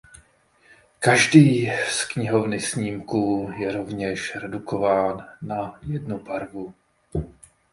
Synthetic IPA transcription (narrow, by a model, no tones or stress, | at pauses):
kaʒdiːskɲɪɦo̞vnɪsɲiːmkuːjɛɾo̞vɲɛʃɾɛdukʰo̞vaːnːajɛdnubaɾvu